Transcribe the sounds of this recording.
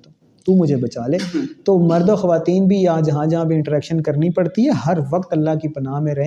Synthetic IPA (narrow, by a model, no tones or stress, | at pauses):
t̪uːmʊd͡ʒʱebɐt͡ʃaːleːt̪oːmɐɾd̪oːxɐʋaːt̪iːnbʱijad͡ʒɐɦãd͡ʒɐɦãbʱiɪ̃ɳʈəɾɛːkʃənkɐɾnipɐɽt̪iɦɛːɦɐɾʋɐqt̪ɐlːaɦkipɐnaːmẽɾɐɦ